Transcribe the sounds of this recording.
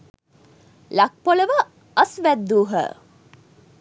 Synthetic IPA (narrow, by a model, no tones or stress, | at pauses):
lak̚poləʋə | əsʋæd̪ːuːɦə̰